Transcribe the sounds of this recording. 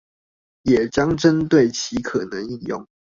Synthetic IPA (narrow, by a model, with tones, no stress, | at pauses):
jɛ˨˩t͡ɕjɑ˦ŋʈ͡ʂə˦nt̪we˥˨ɪt͡ɕʰi˨˥kʰɤ˨˩nə˨˦ŋi˥˧njʊ̰˥˨˩ŋ